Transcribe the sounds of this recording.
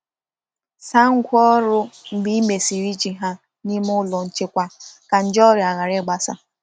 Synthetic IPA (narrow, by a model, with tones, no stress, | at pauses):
sa˦ŋ̩˦kʷɔ˦ɾʊ˦m̩˨ɡ͡bi˦i˦me˨si˨ɾi˦t͡ʃi˨ɦa˦ | ni˦m˦ʊ˦lɔ˨n̩˨t͡ʃɪ˦kʷa˦ka˨n̩˨d͡ʒɔ˦ɾɪ˨a˨ɣa˨ɾɪ˦˨ɡ͡ba˦sa̰˦